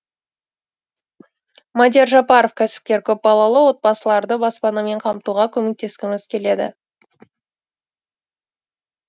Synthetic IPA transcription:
mɑd̪ʲeɾʒɑpɑɾofkʲʰæsɪ̥p̚kʲe̞ɾkʲʰɵp̚bɑlˠɑlˠəwo̞t̪̚bɑsəlˠɑɾd̪əbɑspɑnəme̞ɴqʰɑmt̪uʁɑkʲʰɵme̞k̚t̪e̞skʲɪmɪzkʲʰe̞le̞d̪ɪ̰

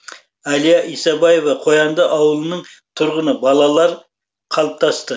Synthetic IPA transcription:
ælijɑʔisɑbɑje̞vɑqʰojɑnd̪əʔɑwəlˠənəɴt̪ʰʊɾʁənəbɑlˠɑlˠɑɾ | qʰɑlˠəp̚t̪ʰɑst̪ə

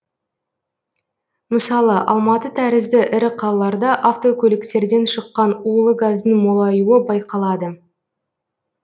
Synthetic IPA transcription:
məsɑlˠəʔɑ̰lˠmɑt̪ət̪ʰæɾɪzd̪ɪʔɪɾɪqʰɑlˠɑlˠɑɾd̪ɑʔaft̪o̞kʲʰɵlɪkt̪e̞ɾd̪e̞nʃəqːɑnulˠəɡazd̪əŋmo̞lˠɑjuəbɑjqɑlˠɑd̪ə

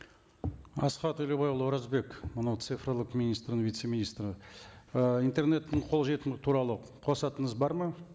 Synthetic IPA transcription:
ɑ̰sqɑt̪ɵlebɑjəlˠwoɾɑzbe̞kmənɑwt̪sɨfrolˠəqmʲinijst̪ɾnvijt̪se̞mʲinist̪rə | ijnt̪e̞rne̞t̪ːɪɴqʰo̞lˠʒe̞t̪ɪnɡɪt̪ʰuɾɑlˠə | qʰo̞sɑt̪əɴəzbɑɾmə

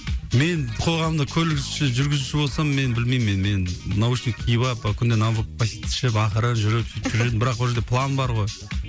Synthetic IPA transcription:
me̞nqʰo̞ʁɑmmd̪əkʲʰɵlɪɡɪʃɪʒʏɾɡʲɪzuʃɪbo̞lˠsɑmːe̞nbɪlmejmːenme̞nnɑwɪʃk̪ʲekʲʰijbɑpkʲʰʏnd̪enaəppʰasit̪ʰɪ̥ʃɪp̬ɑχəɾənʒʏɾɪp̪t̪ʒʏɾed̪ɪnbɪɾɑq̚bwolˠʒeɾd̪epʰlˠanbɑɾʁo̞j

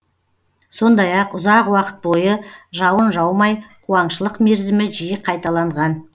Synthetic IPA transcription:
so̞nd̪ɑjɑqʊzɑqwɑqə̥t̪̚bo̞jəʒɑwənʒɑwmɑjqʰuɑnʃəlˠəqme̞ɾzɪmɪʒijɪqʰɑjt̪ɑlˠɑɴʁɑn

